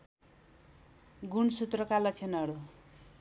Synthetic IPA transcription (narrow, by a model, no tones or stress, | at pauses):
ɡunsut̪rʌkalʌt͡sʰenʌɾu